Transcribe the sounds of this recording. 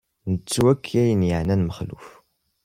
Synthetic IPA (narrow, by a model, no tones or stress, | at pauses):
nət͡sːwækʰːæjənjəʕnænməχlṵf